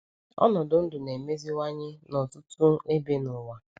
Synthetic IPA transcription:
ɔ̰˦nɔ˨dʊ˨˦n̩˦dʊ˨ne˨me˦zi˦wa˦ɲɪ˦nɔ˨tʊ˦tʊ˦e˦be˦nʊ˨wa˨

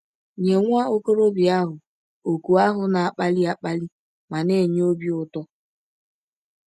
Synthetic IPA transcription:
ɲe˨ŋʷa˦o˦ko˦ɾo˦bi˨a˦ɦʊ˨ | o˨ku˨a˦ɦʊ˨na˨a˨k͡pa˦li˦a˨k͡pa˦li˦ | ma˨ne˦˨ɲ˦o˦bi˦ʊ˨tɔ˦

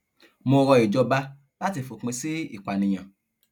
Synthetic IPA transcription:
mõ˧ɾɔ˧i˨d͡ʒɔ˧ba˦ | la˦ti˧fo˨k͡pẽ˧si˦ḭ˦˨k͡pa˨nĩ˧j̃ã˨

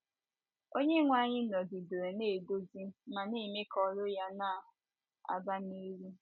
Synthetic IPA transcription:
o˦ɲe˦ŋʷa˦˨ɲɪ˦nɔ˨di˨do˨e˨ne˦˨ɡo˦zi˦ma˨ni˦˨me˦kɔ˨ɾʊ˦ja˦na˦a˨ɦʊ˨ | a̰˨ba˦ne˦ɾi˦

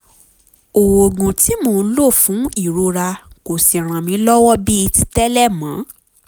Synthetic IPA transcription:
o˨wo˨ɡũ˨ti˦mo˧˨˦lo˦˨fũ˨˦i˦˨ɾo˧ɾa˧ko˨si˨ɾ̃ã˨mĩ˨˧˦lɔ˦wɔ˦bi˦i˧ti˦tɛ˦lɛ˦˨mã˨˦

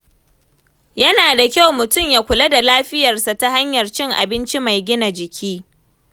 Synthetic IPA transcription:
jɐ˦naː˨da˨kʲa˦wmʊ˨tʊ˦mjaː˦kʷʊ˨lɐ˦da˨laː˦ɸɪ˦jɐ˨rsa˨ta˦ha˦ɲjɐ˨rt͡ʃɪ˦ŋʔa̰˨bɪ˦nt͡ʃi˦ma˨jɡʲɪ˦na˨d͡ʒɪ˨kʲʰiː˦

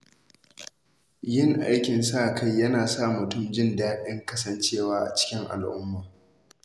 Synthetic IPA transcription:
jɪ˦˨ŋʔa˦jkʲɪ˨nsaː˦˨kʰa˦jːɐ˦naː˨sa˦˨mʊ˨tʊ˦˨md͡ʒɪ˦ndaː˦ɗɪ˦ŋkɐ˦sɐ˨nt͡ʃeː˦˨waː˦ʔa̰˨t͡ʃɪ̥˦kʲɪ˦ŋʔa̰˨lʔʊ̰˦mːaː˨

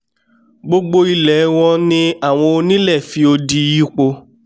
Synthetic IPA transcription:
ɡ͡bo˧ɡ͡bo˧i˧lɛ˨˦w̃ɔ̃˧nĩ˧a˦˨w̃ɔ̃˧o˧nĩ˦lɛ˦˨fi˧o˧di˧ji˦k͡po˧

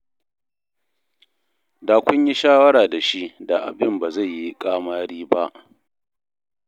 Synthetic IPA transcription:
daː˨kʷʊ˦ɲji˦ʃaː˦wɐ˦ɽaː˨da˨ʃi˦ʔda˨ʔa̰˨bɪ˦mbaː˨za˦˨jːi˦kʼaː˦maː˦ɽiː˦ba˦ʔ

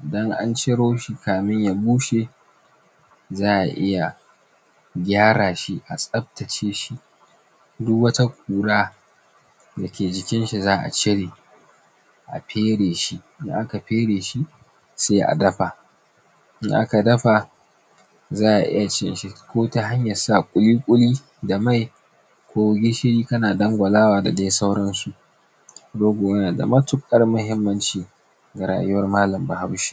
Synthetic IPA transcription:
dɐ˦ŋʔa̰˦nt͡ʃɪ˦ɽoː˦ʃi˨kaː˨mɪ˦ɲja˨buː˦ʃe˨ | zaː˦ʔa˨ʔɪ˦ja˨ | ɡʲaː˦ɽaː˨ʃi˦ʔa˨sʼɐ˦b̚tɐ˨t͡ʃeː˦ʃi˦ | dʊ˦kwɐ˦ta˦kʷuː˨ɽaː˦ | dɐ˨kʲeː˨d͡ʒɪ˦kʲɪ˦nʃi˨zaː˦ʔa̰˨t͡ʃɪ˦ɽeː˨ | ʔa̰˨ɸeː˦ɽeː˨ʃi˦ʔɪ˦ŋʔa˦ka˨ɸeː˦ɽeː˨ʃi˦ | se˦ʔa̰˨dɐ˦ɸa˨ | ʔɪ˦ŋʔa̰˦ka˨dɐ˦ɸa˨ | zaː˦ʔa̰˨ʔɪ̰˦ja˨t͡ʃɪ˦nʃi˨kʷoː˦ta˦ɦa˦ɲjɐ˨sa˦˨kʷʼʊ˦liː˦kʷʼʊ˦liː˦ | da˨ma˦˨j | kʷoː˦wʊ˦ɡʲi˦ʃɪ˦ɽiː˦kɐ˦naː˨dɐ˦ŋɡʷɐ˨laː˦waː˨da̰˨deː˦sa˦wɽɐ˦nsu˨ʔ | doː˦ɡʷoː˨wɐ˦naː˨da̰˨mɐ˦tʊ˦kʼɐ˦rmɐ˦ɦɪ˦mːɐ˦nt͡ʃiː˨ | ɡa˨ɾa̰ː˨jʊ˦wɐ˦rmaː˦lɐ˨mba˨ha˦wʃi̥ː˦

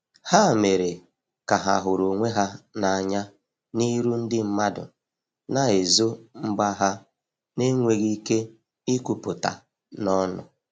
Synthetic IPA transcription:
ha˦˨me˨ɾe˨ | ka˨ɦa̰˨ɦʊ˨ɾo˨ŋʷe˦ɦa˦na˨a˨ɲa˦ | ni˦ɾu˦n̩˦dɪ˦m̩˦ma˦dʊ̰˨ | na˨e˨zo˦ŋ͡m̩˦ɡ͡ba˦ɦa˦ | ne˦ŋʷe˨ɣi˦ke˦ | i˦ku˨pʊ˨ta̰˨ | nɔ˦nʊ̰˨

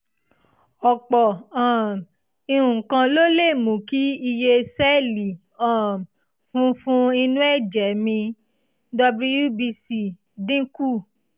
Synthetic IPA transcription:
ɔ˨k͡pɔ˨ã˨ | i˧ɾũ˨kã˧lo˦le˦˨mũ˨ki˦i˧je˧sɛ˦˨li˨ | ã˦˨ | fũ˦fũ˦i˧nũ˦ɛ˦˨d͡ʒɛ˨˦mĩ˧ | dɔ˧bu˦˧ju˦bi˧si˧ | dĩ˦ku˦˨

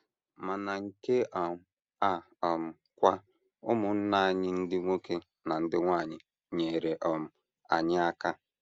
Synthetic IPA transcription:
ma˨na˨ŋ̩˨ke˦ʔɔ˨m˨ | a˦ | ɔ˨m̩˨ | kʷa˦ | ʊ˦mʊ˨n̩˦na˦a˨ɲɪ˦n̩˦dɪ˦ŋʷo˦ke˦ | na˨n̩˦dɪ˦ŋʷa˦˨ɲɪ˨ | ɲe˨ɾe˨ʔɔ˨m̩˨ | a̰˨ɲɪ˦a˦ka˦

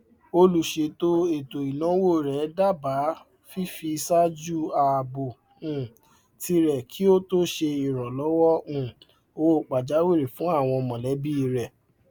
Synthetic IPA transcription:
o˧lu˨ʃe˧˨to˦e˨to˨i˨nɔ̃˨˦wo˦˨ɾɛ˨˦da˦˨ba˨˦ | fi˦fi˧sa˦d͡ʒu˦a˨bo˨ | ũ˨ | ti˧ɾɛ˨kʰi˨˦o˦to˦ʃe˧i˨ɾɔ˨lɔ˨˦wɔ˦ũ˦˨ | o˧wo˦˨k͡pa˨d͡ʒa˨˦we˦˨ɾe˨fũ˨˦a˦˨w̃ɔ̃˧mɔ̃˨lɛ˨˦bi˦˧ɾɛ˨

